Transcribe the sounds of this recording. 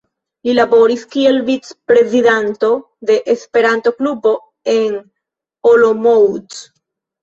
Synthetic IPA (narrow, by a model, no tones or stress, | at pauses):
lilaβoɾiskielbit͡spɾeziðant̪o | ðe̞ʔespe̞ɾant̪oklupo̞ | eŋ | olomowt